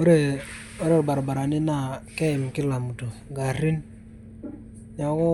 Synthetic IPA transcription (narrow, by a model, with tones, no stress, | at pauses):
o˦ɾe˦˨ | o˦ɾe˨ɾba˨ɾa˨ba˨ɾa˨nɪ˦na˦˨kɛ˦ɪ˨m˨kɪ˦la˨mu˨to˨ɡa˨ɾi˦n | ɲa˨˦kɔ˦